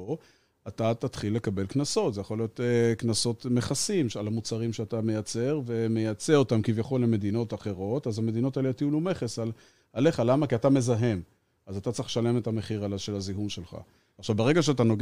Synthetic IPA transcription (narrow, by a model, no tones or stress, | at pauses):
o | atat̪at̪χilːe̞kabe̞lknaso̞tzejaχo̞lijo̞t̪knaso̞t̪me̞χasimʃalamut͡saʁimʃeatame̞jat͡se̞ʁve̞me̞jat͡seo̞tamkivjaχo̞lːe̞me̞d̪ino̞taχe̞ʁo̞tazhame̞d̪ino̞taelet̪ijulume̞χe̞sal | ale̞χalamakiatame̞zaɦe̞m | azat̪at͡saχʃale̞me̞tame̞χiʁalaʃe̞laziɦumʃe̞lχa̰ | aχʃavbeʁe̞ɡaʃeat̬anoɡ